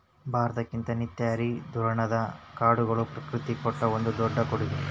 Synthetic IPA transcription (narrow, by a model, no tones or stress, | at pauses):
bʱaːɾɐt̪ɐkːint̪ɐnit̪jaːɾid̪ʱuɾɐɳɐd̪ɐkaːɽuɡɐɭupɾɐkɾut̪ikɔʈːɐond̪ud̪ɔɖːɐkoɽuɡi